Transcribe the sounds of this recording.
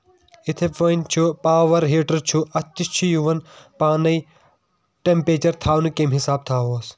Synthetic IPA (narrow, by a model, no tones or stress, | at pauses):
ɪt̪ʰepɐnt͡ʃʰupaːʋɐɾɦeːʈɐɾt͡ʃʰuʔɐt̪ːist͡ʃʰujuʋɐnpaːnɐi | ʈẽmpɾeːt͡ʃɐɾt̪ʰaːʋnukemɦɪsaːb̚t̪ʰaːɦoːs